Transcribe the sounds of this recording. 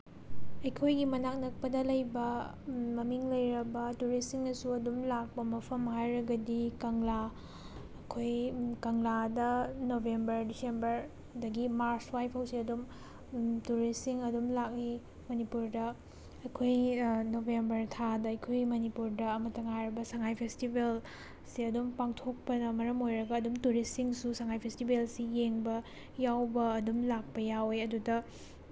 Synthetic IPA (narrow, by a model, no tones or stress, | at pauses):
ɐjkʰojɡimɐnak̚nɐk̚pɐdɐlɐjbɐ | mɐmiŋlɐjɾɐbɐtuɾisiŋɐsuɐdumlak̚pɐmɐpʰɐmɦajɾɐɡɐdikɐŋla | ɐkʰojkɐŋladɐnobʱembɐɾdisembɐɾ | dɐɡimaɾswajpʰɐwsiɐdum | tuɾisiŋɐdumlak̚li | mɐnipuɾdɐ | ɐjkʰojnobʱembɐɾtʰadɐɐjkʰojmɐnipuɾdɐɐmɐtɐŋajɾɐbɐsɐŋajpʰestibel | siɐdumpaŋtʰok̚pɐnɐmɐɾɐmojɾɐɡɐːdumtuɾisiŋsusɐŋajpʰestibelsijeŋbɐ | jawbɐːdumlak̚pɐjaweɐdudɐ